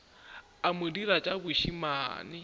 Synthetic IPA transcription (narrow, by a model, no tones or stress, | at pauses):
amudiɾat͡ʃʼabuʃimaːnɪ